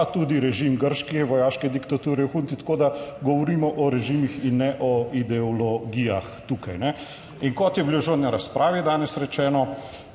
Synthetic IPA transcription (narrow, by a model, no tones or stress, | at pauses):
t̪uːd̪iɾɛʒiːmɡəɾʃkiʋɔjaːʃkɛd̪ikt̪at̪uːɾɛxunt̪it̪ḁkoːd̪aɡɔʋɔɾiːmɔʔɔɾɛʒimixinːɛʔɔid̪ɛɔlɔɡijaxt̪uːkajnɛ | iŋkɔt̪jɛbiloʒod̪njaɾaspɾʔaːʋid̪aːnɛsɾɛt͡ʃɛːnɔ